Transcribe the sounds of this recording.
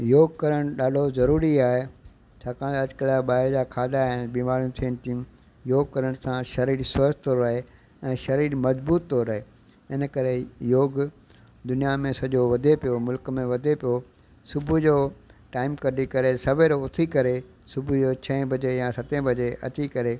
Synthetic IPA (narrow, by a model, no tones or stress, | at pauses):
joːɡkɐɾəɽ̃ɗaːɖʱozɐɾuːɾiaːɦe | t͡ɕʰaːkaːɽ̃t̪ɐd͡ʑkəlaɓaːɪɾd͡ʑaːkʰaːd̪aɦɪnbiːmaːɾijũt̪ʰiəɽ̃ɪ̃̆t̪ʰijũ | joːɡ̚kɐɾəɽ̃sãʃɐɾiːɾsɐːd͡ʑt̪oːɾːɐɦe | ɛ̃ːʃɐɾiːɾmɐzbuːt̪ːoːɾːɐɦe | ɪn̆kɐɾejoːɡ | d̪ʊnijamẽsɐʄoʋɐd̪ʱepijomʊlkmẽʋɐd̪ʱepijo | sʊbʱʊd͡ʑoːʈaːɪmkɐɗikɐɾesɐʋeɾoʊt̪ʰikɐɾe | sʊbʱʊoːt͡ɕʰɐ̃ɪ̃bɐd͡ʑejãsɐt̪ẽbɐd͡ʑeʔɐ̰t̪ikɐɾe